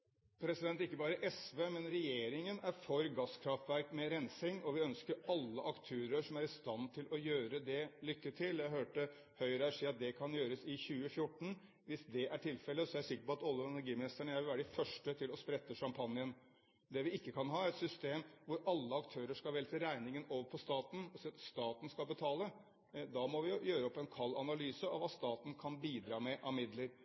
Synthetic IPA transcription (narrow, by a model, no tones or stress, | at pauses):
pʰɾɛsɪd̪ɛnt̪ɪkːəbɑːɾəʔɛsʋeːmɛnɾɛjeːɾɪŋənæɾfɔɾɡɑskʰɾɑft̪ʋæɾkmɛɾɛnsɪŋɔʋɪœnskəɾɑlːəʔɑkt̪ʰøːɾəʂɔmæɾɪst̪ɑnt̪ʰɪlɔjøːɾəd̪ɛlʏkːəʈʰɪljæɪɦøːʈə | hœʏɾəæʂiːɑt̪̚d̪ɛkʰɑnjøːɾəsɪçʉːəfjʊʈːɳ̩ | ʋɪsd̪ɛʔæʈʰɪlfɛlːəsɔææʂɪkːəɾpɔɑt̪ɑlːəɛnæɾɡiːmɪnɪst̪əɳəjæɪʋɪlæːɖəɖɪfœʂʈət̪ʰɪlɔspɾɛt̪ːəʂɑmpʰɑnjən | d̪ɛʋɪɪkːəkʰɑnɦɑːæɾɛt̪sʏst̪eːmʋʊɾɑlːəɑkt̪ʰøːɾəʂkɑlʋɛlt̪əɾæɪnɪŋənoːʋəɾpʰɔst̪ɑːt̪n̩ɔsiːɑt̪st̪ɑːt̪n̩skɑlbət̪ʰɑːlə | d̪ɑmɔʋɪjøːɾəɔpːɛnkʰɑlːɑnɑlyːsəɑ̰ʋɑst̪ɑːt̪n̩kʰɑnbiːd̪ɾɑːmɛʔɑʋmɪd̪ləɾ